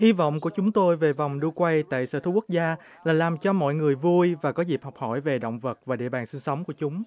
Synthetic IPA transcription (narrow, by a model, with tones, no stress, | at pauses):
ʔi˧vɔ̰˧˨wŋ͡mku˧˩ət͡ɕʊ˨˦ŋ͡mt̪o˧jve˨˩va˨˩wŋ͡mɗɨ˧kwa˧jt̪a̰ː˧˨jsəː˧˩t̪ʰu˧ku˦˥k̚zaː˧ | laː˨˩laː˨˩mt͡ɕɔ˧mɔ̰˧˨jŋɨ˨˩əjvu˧jvaː˨˩kɔ˨˦zi˨˩p̚hɔ˨˩k͡p̚hɔ˧˩jve˨˩ɗə̰˧˨wŋ͡mvə˨˩t̚vaː˨˩ɗḭ˧˨əɓaː˨˩nsï˧ŋsə˨˦ŋ͡mku˧˩ət͡ɕʊ˨˦ŋ͡m